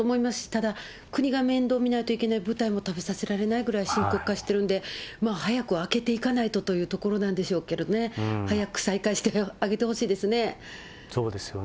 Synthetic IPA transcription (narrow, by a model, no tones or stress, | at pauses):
oːmo̞imasɨ̥ɕi̥t̪ad̪a | kɯ̟ɲ̟iɡamẽ̞nd̪o̞ːmʲinait̪o̞ikʲe̞naibɯ̟t̪aimo̞t̪abe̞sase̞ɾaɾe̞naiɡɯ̟ɾaiɕĩŋkokkːaɕi̥t̪e̞ɾɯ̟̃nd̪e̞maːhajakɯ̟ake̞t̪e̞ikanait̪o̞t̪o̞jɯ̟ːt̪o̞ko̞ɾo̞nãnd̪e̞ɕo̞ːke̞ɾe̞d̪one̞hajakɯ̟̥saikaiɕi̥t̪eaɡe̞t̪e̞ho̞ɕiːd̪e̞sɨne̞ | soːd̪esɨjo